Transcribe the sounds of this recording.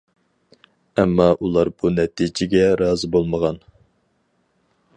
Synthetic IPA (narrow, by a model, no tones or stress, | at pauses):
ɛmːɑʔulˠɑɾb̥unɛt̪ʰid͡ʒɪɡʲɛɾɑːzɨbolˠməʁɑn